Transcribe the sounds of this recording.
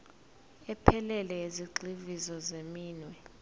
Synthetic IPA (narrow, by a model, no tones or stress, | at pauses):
ɛpʰɛlɛlɛeziǀivizɔzemiːnwɛ